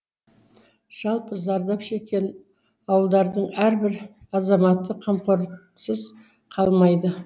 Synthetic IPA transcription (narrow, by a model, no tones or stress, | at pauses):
ʒ̥ɑlˠpəzɑɾd̪ɑpʃe̞kʲe̞n | ɑwəlˠd̪ɑɾd̪əɴæɾbɪɾ | ɑzɑmɑt̪ːəqʰɑmqoɾ | səz | qʰɑlˠmɑjd̪ə